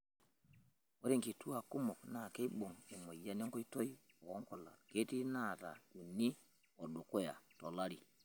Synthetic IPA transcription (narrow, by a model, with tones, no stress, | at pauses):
o˦ɾe˦˨ŋki˨tu˦a˨ku˦mɔ˨kna˨ke˦i˦ɓo˨ŋe˨mo˨ja˦ne˦ŋkɔ˦i˦tɔ˦ji˦ | ɔ˨˦ŋkɔ˨la̰˨ke˦ti˦na˦˨ta̰˨ju˨ni˦ | ɔ˨ɗo˨ko˦ja̰˨to˨la˦ɾi˨